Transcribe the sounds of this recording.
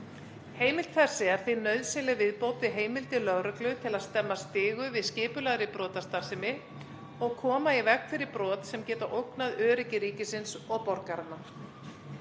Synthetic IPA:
heːjmɪlt̪fɛ̥sːɪaɾθɪnœɥðsɪnlɪvɪðpoːwt̪ɪɦeːjmɪlt̪ɪlœɣɾʏklʏt̪ʰɪlaðst̪ɛmːast̪ɪːɣʏvɪðscɪːpʏlaɣɾɪpɾɔːt̪ast̪ar̥sɪmɪ | ɔɣkʰɔːmaivɛkfɪɾɪɾpɾɔːt̪sɛmcɛːt̪aʔowknaðœːɾɪcɪɾiːcɪsɪnsɔɣpɔɾkaɾana

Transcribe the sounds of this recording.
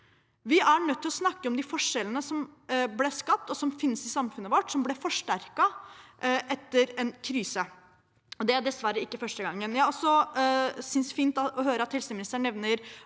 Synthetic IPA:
ʋɪʔæɳœt̪ʰːɪlɔsnɑkːəɔmd̪ɪfɔʂɛlənəsɔmblɛʂkɑp̚t̪ɔsɔmfɪnsɪsɑmfʉnəʋɔʈːsɔmblɛfɔʂʈæɾkɑʔʔɛt̪ːəɾɛnkʰɾyːsə | ɔd̪ɛæd̪ɛsʋæɾəɪkːəfœʂʈəɡɑŋːənjæɔsɔ | sʏnsfiːnt̪ɑɔɦøːɾəɑt̪hɛlsəmɪnɪst̪əɳɛʋnəɾ

